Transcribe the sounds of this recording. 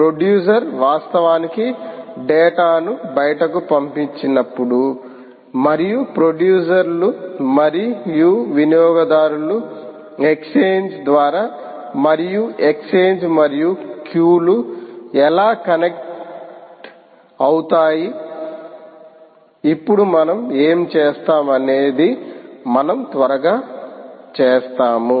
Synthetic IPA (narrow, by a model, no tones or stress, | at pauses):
pɾoɖjuːs̬ɐɾʋaːst̪ɐʋaːnikiɖɛːʈaːnubɐjɐʈɐkupɐmpiɲt͡ʃinɐpːuɽu | mɐɾijupɾoɖjuːs̬ɐɾlumɐɾijuʋinijɔːɡɐd̪aːɾulu | e̞kseːɲd͡ʒd̪ʋaːɾaː | mɐɾijue̞kseːɲd͡ʒmɐɾijukjuːluɛlaːkɐnek̚ | ʈ | ɐwut̪aːji | ipːuɽumɐnɐme̞ːmt͡ʃeːst̪aːmɐne̞ːd̪imɐnɐmt̪ʋɐɾɐɡaːt͡ʃeːst̪aːmu